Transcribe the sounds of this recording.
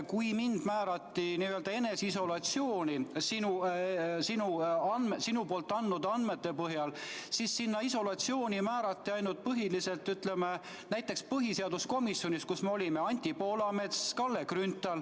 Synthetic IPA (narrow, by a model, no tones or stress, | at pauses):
kujmind̪̥mæːɾɑt̪ːiniøld̪̥ɑe̞ne̞siso̞lɑt̪sio̞ːnʲisinusinuɑnmesinupo̞ːlt̪ːˑɑnːud̪ɑnd̪̥met̪ːe̞pɤɦjɑlsisːinːɑiso̞lɑt̪sio̞ːnʲimæːɾɑt̪ːiɑjnult̪̚pɤɦilise̞lt̪ːˑyt̪le̞me | næjt̪ːˑe̞kspɤɦise̞ɑd̪usko̞misːjo̞niskusmeo̞lʲimeɑnʲt̪ʲːˑipo̞ːlɑme̞t̪skɑlːe̞krynt̪ˑɑl